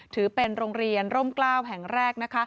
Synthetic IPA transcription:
t̪ʰɯː˩˦pe˧nɾoː˧ŋɾi˧ənɾo˥˩mklaː˥˩wɦɛ˨˩ŋɾɛː˥˩k̚na˦˥kʰa˦˥

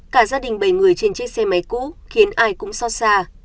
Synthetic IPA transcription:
kaː˧˩zaː˧ɗï˨˩ŋ̟ɓə˧˩jŋɨ˨˩əjt͡ɕe˧nt͡ɕe˦˥sɛ˧ma˨˦jkṵ˧˥xi˨˦ənʔaː˧jkʊ̰˧˥ŋ͡msɔ˧saː˧

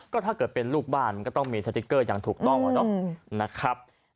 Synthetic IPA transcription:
kɔː˥˩t̪ʰaː˥˩kɤː˨˩t̪̚pe˧nluː˥˩k̚baː˥˩nm˧kːt̪ɔ˥˩ŋmiː˧sa˧t̪i˦˥kːɤː˥˩jaː˨˩ŋt̪ʰuː˨˩k̚t̪ɔ˥˩ŋʔa˨˦dɔ˧˥˩na˦˥kʰa˦˥p̚

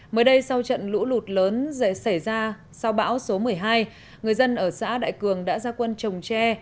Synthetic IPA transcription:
məː˨˦jɗə˧jsa˧wt͡ɕə̰˧˨nlṵ˧˥lu˨˩t̚ləː˨˦n˧sa˧˩jzaː˧ | sa˧wɓa̰ː˧˥wso˨˦mɨ˨˩əjɦaː˧j | ŋɨ˨˩əjzə˧nʔəː˧˩sa̰ː˧˥ɗa̰ː˧˨jkɨ˨˩əŋɗa̰ː˧˥zaː˧kwə˧nt͡ɕə˨˩wŋ͡mt͡ɕɛ˧

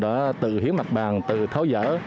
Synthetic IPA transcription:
ɗaː˧˥t̪ɨ̰˧˨hi˨˦ənma˨˩k̚ɓaː˨˩ŋt̪ɨ̰˧˨t̪ʰa˨˦wzə̰ː˧˥

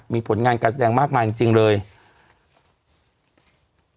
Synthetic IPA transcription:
miː˧pʰo˨˩˦nŋaː˧nkaː˧s̬a˧dɛː˧ŋmaː˥˩k̚maː˧ki˧ŋt͡ɕi˧ŋlɤː˧j

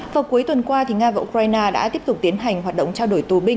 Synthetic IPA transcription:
vaː˨˩ku˨˦əjt̪wə˨˩nkwaː˧t̪ʰi˨˩ŋaː˧vaː˨ʔu˧kwaː˧jnaː˧ɗa̰ː˧˥t̪i˦˥əp̚t̪ʊ˨˩k͡p̚t̪i˨˦ənɦa˨˩jŋ̟hwaː˨˩t̚ɗə̰˧˨ŋ͡mt͡ɕaː˧wɗo˧˩jt̪u˨˩ɓï˧ŋ

